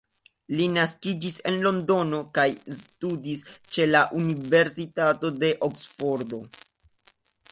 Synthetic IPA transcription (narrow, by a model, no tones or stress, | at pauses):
linaskid͡ʒise̞̰nlo̞ndo̞no̞kajstudist͡ʃe̞laʔunive̞ɾsitato̞de̞ʔoksfo̞ɾdo̞